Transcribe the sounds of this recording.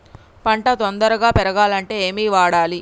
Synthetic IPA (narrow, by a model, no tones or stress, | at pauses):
pɐɳʈɐt̪ond̪ɐɾɐɡaːpɛɾɐɡaːlɐɳʈe̞ːeːmiːʋaːɽaːli